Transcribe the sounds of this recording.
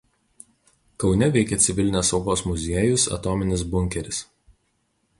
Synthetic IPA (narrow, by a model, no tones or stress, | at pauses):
kɒʊnʲɛʋʲɛɪkʲɛt̪sʲɪʋʲɪlʲɪnʲeːsɒʊɡoːsmʊzʲiɛjʊsɐ̰t̪oːmʲɪnʲɪs̬bʊŋʲkʲɛɾʲɪs